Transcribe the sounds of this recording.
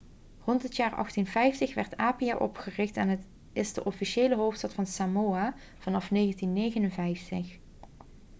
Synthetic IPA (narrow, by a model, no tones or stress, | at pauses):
rɔntɦətjaːrɑ̰χtinvɛjftəxʋɛɹtaːpijaːʔɔpχərɪxtɛnət | ɪzdəʔɔfiʃeːləɦowftstɑtfɑnsamoːa | v̥ɑnɑfneːɣəntinːejɣənənvɛjftəχ